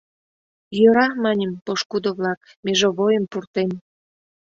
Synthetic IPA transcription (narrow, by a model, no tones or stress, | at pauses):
jøɾɑmɑnʲəmpoʃkud̪oβlɑk | meʒoβojəmpurt̪em